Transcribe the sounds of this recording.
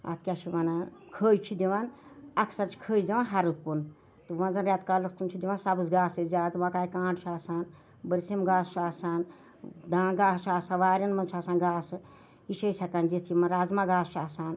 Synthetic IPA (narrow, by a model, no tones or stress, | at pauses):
a̰t̪ʰkʲat͡ʃʰiʋɐnakʰəːjt͡ʃʰid̪ʲiʋanɐkʰsɐɾt͡ʃʰi̥kʰəːjd̪ʲiʋãnɦɐɾut̪̚pun | t̪ɨʋɐ̃nzɐnɾʲjat̪kalɐsk̪unt͡ʃʰid̪ʲiʋãːnsɐbɨsɡaːsezʲaːd̪ʋãkaːikãːɳɖt͡ʃʰaːsaːn | bəɾsimɡaːst͡ʃʰaːsaːn | d̪ãːɡaːst͡ʃʰaːsãːʋaːɾʲɐnmɐnt͡ʃʰaːsãːnɡaːsɨ | iʃʰɐjsʲɐkand̪it̪ʰimɐnɾaːzmãɡaːst͡ʃʰaːsaːn